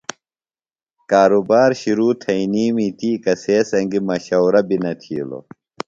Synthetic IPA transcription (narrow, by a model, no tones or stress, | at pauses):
kaːɾubaːɾɕiɾuːt̪ʰɐiniːmit̪iːkɐseːsɐŋɡimɐɕɐwɾɐbinɐt̪ʰḭːlo̰